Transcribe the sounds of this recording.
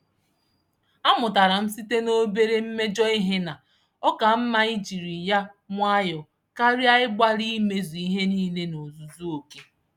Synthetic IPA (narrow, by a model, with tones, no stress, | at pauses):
a˦mʊ˨ta˨ɾa˨m̩˦si˦te˦no˦be˦ɾe˦m̩˦me˦d͡ʒɔ˦i˦ɦe˦na˨ | ɔ˦ka˨m̩˦ma˦i˦d͡ʒi˨ɾi˨ja˦ŋʷa˦jɔ˨ | ka˦ɾi˦a˦ɪ˦ɡ͡bʷa˦ɾi˦me˨zu˨i˦ɦe˦niː˦ne˦no˨zu˨zu˦o˨ke˦